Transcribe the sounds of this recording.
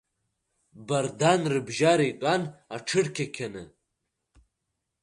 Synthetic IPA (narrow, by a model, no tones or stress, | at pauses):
bɐɾd̪anɾɨbʒaːɾejt̪ʼanaʈ͡ʂʰɨɽkʰʲekʲʰɐnɨ